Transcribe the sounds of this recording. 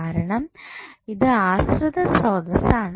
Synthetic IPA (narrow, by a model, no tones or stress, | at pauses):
aːɾɐɳɐmiðɨaːsɾud̪ɐsoːd̪ɐsaːɳ